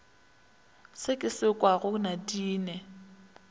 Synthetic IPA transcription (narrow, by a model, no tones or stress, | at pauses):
sɪkʼɪsɪkʼwaɣʊnadiːnɛ